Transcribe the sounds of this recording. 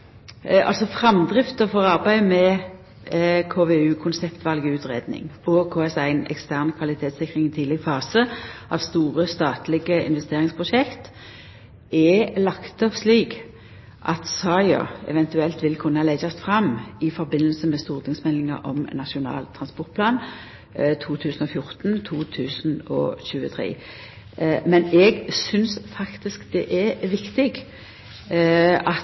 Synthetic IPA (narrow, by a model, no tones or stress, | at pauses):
ɑ̰lsɔfɾɑmd̪ʁɪft̪əfɔʁɑʁbæɪmɛ | kʰoːʋɛʉːkʰʊnsɛpt̪ʋɑlɡəʉːt̪ʁeːd̪nɪ̰ŋɔkʰoːɛsæɪnɛ̰kst̪æʁnkʰʋɑlɪt̪ʰeːt̪sɪkʁɪŋɪt̪ʰiːd̪lɛɡfɑːsəʔɑʋst̪uːʁəst̪ɑːt̪lɪɡəɪ̰nʋɛst̪eːʁɪŋspʰʁʊʃɛkt̪ | ɛlɑkt̪ɔpsliːk | ʔɑt̪sɑɪɑ̰ɛ̰ʋɛnt̪ʉɛlt̪ʋɪlkʰʉnːəlɛd͡ʒɑst̪fɾɑmɪfɔɾbɪnːəlsəmɛst̪uːʁt̪ʰɪŋsmɛlɪŋə̰ɾʔɔmnɑʂʊnɑ̰ːlt̪ʰːɾɑnspɔʁt̪pʰlɑːn | t̪ʰuːt̪ʰʉːsnɔfjʊʁt̪nt̪ʰuːt̪ʰʉːsnɔ̰ɕʉːət̪ʰʁḛː | mɛnɛɡsʏnsfɑkt̪ɪskd̪ɛʔɛʋɪkt̪ɪɡ | ɑt